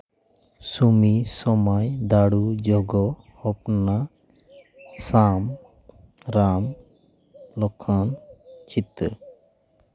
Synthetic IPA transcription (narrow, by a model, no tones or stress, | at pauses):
sumisɔmajd̪aɽud͡ʒɔɡɔ | ɔp̚na | sam | ɾam | lɔkʰɔnt͡ʃit̪